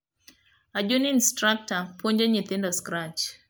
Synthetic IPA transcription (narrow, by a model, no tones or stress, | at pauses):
ad͡ʒuninstɾak̚tapʰoɲd͡ʒeɲit̪ɪndɔskɾat͡ʃ